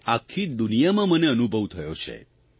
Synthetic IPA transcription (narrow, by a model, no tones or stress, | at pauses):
akʰːid̪unijamãməneənubʱəʋt̪ʰəjot͡ʃʰḛ